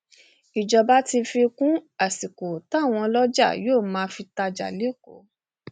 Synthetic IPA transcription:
i˨d͡ʒɔ˨ba˦ti˧fi˧kũ˦a˨si˨ko˨ta˦˨w̃ɔ̃˧lɔ˦d͡ʒa̰˦˨joː˦˨mãː˨˦fi˧ta˧d͡ʒa̰˨le˨˦˨ko˨˦

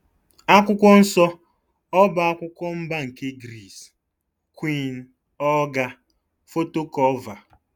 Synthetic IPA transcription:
a˦kʷʊ˦kʷɔ˦n̩˦sɔ˦ | ɔ˦ba˨a˦kʷʊ˦kʷɔ˦m̩˦ba˦ŋ̩˨ke˦ɡɾi˦˨s | kwi˦n̩˦ | ɔ˦ɡa˦ | fo˦to˦kɔ˦va˨

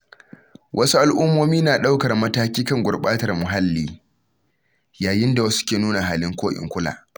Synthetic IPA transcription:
wʔɐ˦su˦ʔa˨lʔʊ˦mːoː˦miː˦naː˨ɗa˦wkɐ˨rmɐ˦taː˦kʲiː˦kɐ˦˨ŋɡʷʊ˨rɓaː˦tɐ˨rmʊ˨ɦa˦lːiː˦ | jaː˨jɪ˦nda˨wɐ˦skʲeː˨nuː˦na˨ɦaː˨lɪ˦ŋkʷoː˦ʔɪ̰˨ŋkʷʊ˦la̰ː˨

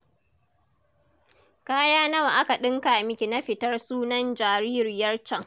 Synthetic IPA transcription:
kaː˦jaː˦nɐ˦wa˨ʔa˦ka˨ɗɪ˦ŋka˨mɪ˦kʲi˨na˦ɸɪ˨tɐ˦rsuː˦nɐ˦nd͡ʒaː˨ɾiː˦ɾɪ˨jɐ˦rt͡ʃɐ˦ŋ

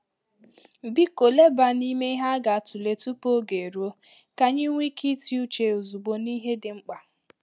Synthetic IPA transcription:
bi˦ko˨le˦ba˨ni˦me˦i˦ɦa˦ɡa˨a˨tu˨le˨tu˦po˦ɡe˨ɾu˦o˦ | ka˦ɲɪ˦ŋʷi˦ki˦ti˦u˦t͡ʃe˨o˨zu˨ɡ͡bo˨ni˦ɦe˦dɪ˨ŋ͡m̩˦k͡pa˨

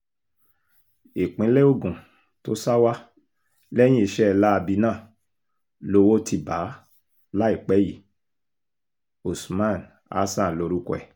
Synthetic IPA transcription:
i˨k͡pĩ˨˦lɛ˦o˦˨ɡũ˨ | to˦sa˦wa˦ | lɛ˦j̃ĩ˦i˧ʃɛ˦˧la˦a˧bi˧nãː˦˨ | lo˧wo˦tʰi˧ba˨˦ | la˦i˦˨k͡pɛ˨˦ji˦˨ | o˨smã˦˨n | a̰˦sã˦˨lo˧ɾu˦kɔ˦ɛ̰˨

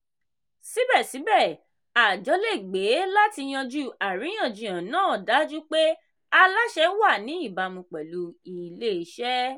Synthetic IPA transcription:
si˨˦bɛ˦˨si˨˦bɛ˦˨ | a˨d͡ʒɔ˨˦le˦˨ɡ͡be˨˦la˦ti˧j̃ã˧d͡ʒu˦a˨ɾĩ˨˦j̃ã˦˨d͡ʒĩ˨ã˨nãː˦˨da˨˦d͡ʒu˦k͡pe˦ | a˧la˦ʃɛ˦wa˦˨nĩ˨˦i˦˨ba˧mũ˧k͡pɛ˨lu˧i˨le˦˧˦ʃɛ˦

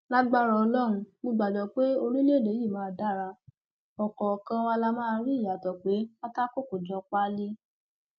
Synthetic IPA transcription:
la˦ɡ͡ba˦ɾɔ˧ɔ˧lɔ˦ɾũ˧mõ˧ɡ͡ba˨dɔ˨k͡pe˦o˧ɾi˦le˦˨e˨˦ji˦˨mãː˦˧˨da˦˨ɾa˧ | ɔ˨kɔ˨kã˧wa˧la˧mãː˦˧ɾi˦˨ja˨tɔ˨k͡pe˨˦ka˦ta˦ko˦ko˨d͡ʒɔ˧k͡pa˦li˦

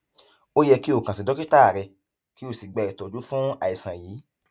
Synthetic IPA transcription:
o˦jɛ˧ki˦o˦˨kã˨si˨dɔ˨˦ki˦ta˦a˨ɾɛ˧ | ki˦o˦˨si˨ɡ͡bɛ˨ɾɛ˨tɔ˨d͡ʒu˨˦fũ˦a˨i˨sã˨jiː˨˦

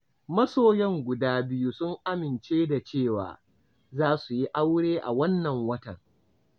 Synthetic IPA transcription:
mɐ˦soː˦˨jɛ˦ŋɡʷʊ˨daː˦bɪ˦ju˦sʊ˦ŋʔa˦mɪ˨nt͡ʃeː˦da˨t͡ʃeː˦˨wa̰ː˨ | zaː˦su˨ji˦ʔa˦wɽeː˦ʔa̰˨wɐ˦nːɐ˨ŋwɐ˦tɐ̰˨ŋ

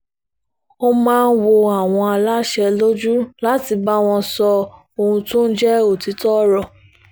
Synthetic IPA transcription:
o˧mãː˦˧n̩˦wo˧a˦˨w̃ɔ̃˧a˧la˦ʃɛ˧lo˦d͡ʒu˦la˦ti˧ba˦w̃ɔ̃˧sɔ˧ | o˧hũ˧tõ˦n̩˦d͡ʒɛ˦o˦˨ti˨˦tɔ˦ɾɔ˨

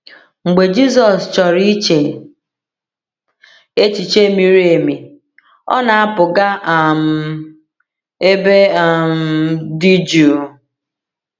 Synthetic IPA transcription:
ŋ͡m̩˨ɡ͡be˨d͡ʒi˦z̬ɔ˨st͡ʃɔ˨ɾi˦t͡ʃe˨ | e˦t͡ʃi˨t͡ʃe˦mi˨ɾi˦e˨mi˨ | ɔ̰˦na˨a˦pʊ˨ɡa˦a˨m̩˨ | e˦be˦a˨m̩˦di˦d͡ʒu˨

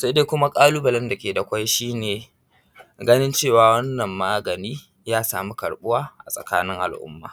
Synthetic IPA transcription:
sa˦deː˦kʷʊ˦ma˦kʼaː˦luː˦bɐ˨lɛ˦nda˨kʲeː˨da˨kʷa˦jʃiː˦neː˨ | ɡɐ˦nɪ˦nt͡ʃeː˦˨waː˨wɐ˦nːɐ˨mːaː˦ɡɐ˨niː˦ | jaː˦saː˨mu˦kɐ˨ɽɓʊ˦waː˦ʔa̰˨sʼɐ̰˨kaː˦nɪ˦ŋʔa̰˨lʔʊ̰˦mːa̰ː˨

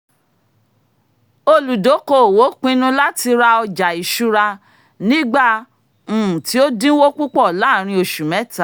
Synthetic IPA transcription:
o˧lu˨do˨˦ko˦˨wo˨˦k͡pĩ˦nũ˦la˦ti˧ɾa˧ɔ˧d͡ʒa˨i˨ʃu˦ɾa˧ | nĩ˦ɡ͡bã˦˨ | ti˨˦o˦dĩ˦wo˦k͡pu˦k͡pɔ˦˨la˨˦˨ɾ̃ĩ˧o˧ʃu˨mɛ̃˨˦ta˨˦

